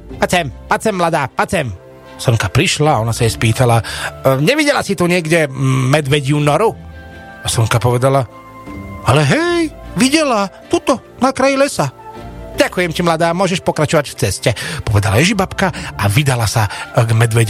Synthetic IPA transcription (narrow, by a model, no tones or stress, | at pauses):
pat͡sɛmpat͡sɛmːlad̪aːpat͡sɛm | sɔŋkapɾiʃlaɔnasajɛspiːt̪alaɲɛʋiɟɛlasit̪uɲɪɛɡɟɛmɛd̪ʋɛɟunɔɾu | asɔŋkapɔʋɛd̪ala | alɛɦɛjʋiɟɛlat̪ut̪ɔ | nakɾajilɛsaɟakujɛmcimlad̪aːmʊɔʒɛʃpɔkɾat͡ʃɔʋacft͡sɛscɛpɔʋɛd̪alajɛʒibapkaaʋid̪alasaɡmɛd̪ʋɛɟ